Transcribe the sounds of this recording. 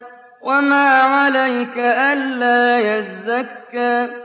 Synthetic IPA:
wamaːʕalajkaʔanːaːjazːakːaː

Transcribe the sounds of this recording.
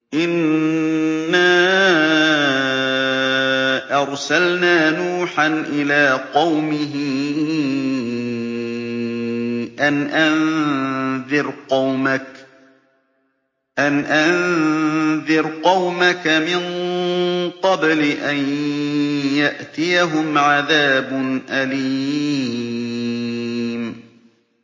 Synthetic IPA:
ʔɪnː | aː | ʔɑɾˤsalnaːnuːħanʔɪlaːqɑwmɪɦɪ | ʔanʔan | ðɪɾqɑwmak | ʔanʔan | ðɪɾqɑwmakamɪn | qɑblɪʔan | jaʔt̪ɪjaɦʊmʕaðaːbʊnʔaliː | m

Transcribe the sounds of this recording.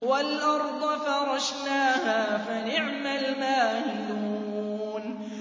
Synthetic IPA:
walʔɑɾˤd̪ˤɑfɑɾˤɑʃnaːhaːfanɪʕmalmaːhɪluː | n

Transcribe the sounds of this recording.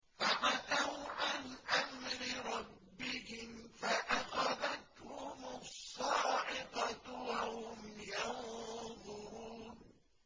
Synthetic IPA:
faʕat̪awʕanʔamɾɪɾˤɑbːɪhɪmfaʔaxad̪at̪hʊmʊsˤːɑːʕɪbat̪wahhʊmja | ðˤʊɾuːn

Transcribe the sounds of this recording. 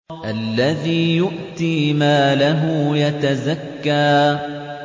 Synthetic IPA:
ʔalːaðiːjʊʔt̪iːmaːlaɦʊjat̪azakːaː

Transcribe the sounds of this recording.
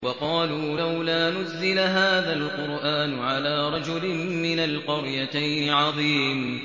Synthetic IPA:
wɑqɑːluːlawlaːnʊzːɪlaɦaːðalqʊɾʔaːnʊʕalaːɾˤɑd͡ʒʊlɪmmɪnalqʊɾjat̪ajnɪʕɑðˤiːm

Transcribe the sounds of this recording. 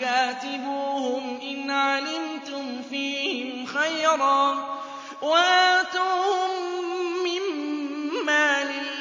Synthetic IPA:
aːt̪ɪbuːhʊmʔɪnʕʕalɪmt̪ʊmfiːhɪmxajɾˤɑː | waʔaːt̪uːhʊmː | ɪmː | aːlɪlː

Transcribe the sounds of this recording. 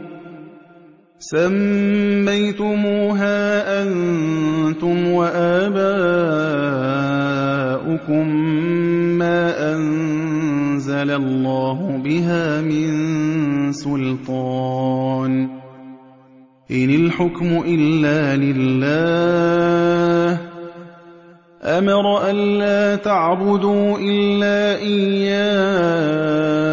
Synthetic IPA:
samːajt̪ʊmuːɦaːʔan | t̪ʊmwaʔaːbaː | ʔʊkʊmː | aːʔan | zalalˤːɑːɦʊbɪɦaːmɪn | sʊlt̪ˤɑːn | ʔɪnɪlħʊkmʊʔɪlːaːlɪlːaː | h | ʔamɑɾˤʔanlaːt̪aʕbʊd̪uːʔɪlːaːʔɪjjːaː

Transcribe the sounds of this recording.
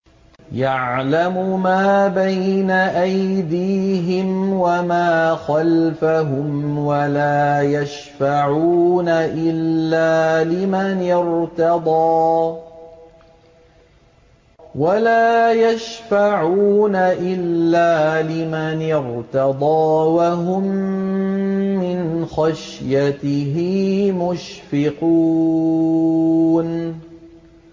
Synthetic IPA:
jaʕlamʊmaːbajnaʔajjd̪iːɦɪmwamaːxalfaɦʊmwalaːjaʃfaʕuːnaʔɪlːaːlɪmanjɪɾt̪ɑd̪ˤɑː | walaːjaʃfaʕuːnaʔɪlːaːlɪmanjɪɾt̪ɑd̪ˤɑːwaɦʊm | ɪnxaʃjat̪ɪɦɪmʊʃfɪqu | n

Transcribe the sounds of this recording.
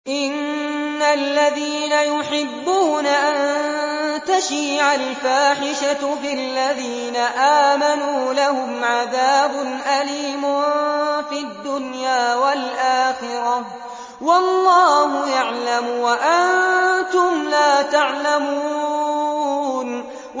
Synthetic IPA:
ʔɪnːalːaðiːnajʊħɪbːuːnaʔan | t̪aʃiːʕalfaːħɪʃafilːaðiːnaʔaːmanuːlahʊmʕaðaːbʊnʔaliːmʊfiad̪ːʊnjaːwalʔaːxɪɾɑ | wɑlˤːɑːhʊjaʕlamwaʔant̪ʊmlaːt̪aʕlamu | n

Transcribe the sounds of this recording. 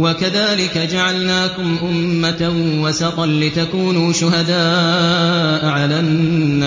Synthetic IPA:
wakaðaːlɪkad͡ʒaʕalnaːkʊmʔʊmːat̪awasɑqɑnlɪt̪akuːnuːʃʊhad̪aː | ʔaʕalanːaː

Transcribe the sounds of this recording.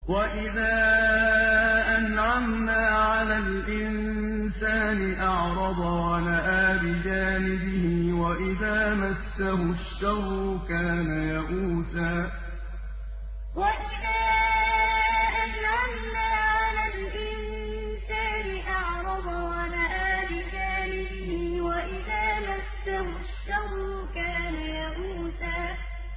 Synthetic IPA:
waʔɪðaː | ʔanʕamnaːʕalalʔɪn | saːnɪʔɑʕɾˤɑd̪ˤɑwanaʔaːbɪd͡ʒaːnɪbɪhɪwaʔɪðaːmasːaɦʊʃːɑhʊkaːnajaʔuːsaː | waʔɪðaː | ʔanʕanːaʕalal | ʔɪn | saːnɪʔɑʕɾˤɑdɑwanaʔaːbɪd͡ʒaːnɪbɪhɪwaʔɪðaːmasːahʊ | ʃːaɣ | kaːnajaʔuːsaː

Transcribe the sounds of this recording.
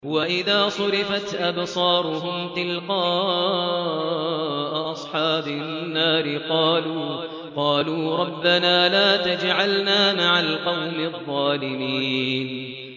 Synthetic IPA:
waʔɪðaːsˤʊɾɪfat̪ʔabsˤɑːɾˤʊɦʊmt̪ɪlqɑː | ʔʔɑsˤħɑːbɪnːaːɾɪqɑːluː | qɑːluːɾˤɑbːanaːlaːt̪ad͡ʒʕalnaːmaʕalqɑwmɪðˤːɑːlɪmiːn

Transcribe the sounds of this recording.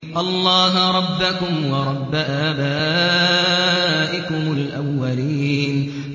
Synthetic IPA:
ʔɑlˤːɑːɦɾˤɑbːakʊmwɑɾˤɑbːaʔaːbaː | ʔɪkʊmʊlʔawːaliːn

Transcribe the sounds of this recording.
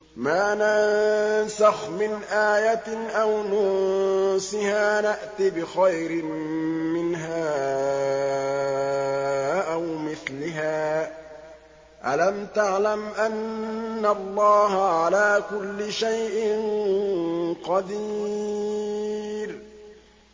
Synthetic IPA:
maːnansaxmɪnʔaːjat̪ɪʔawnʊ | sɪhaːnaʔt̪ibɪxajɾɪmmɪnɦaː | ʔawmɪθlɪɦaː | ʔalamt̪aʕlamʔanːalˤːɑːɦaʕalaːkʊlːɪʃajʔɪn | qɑd̪iː | ɾ

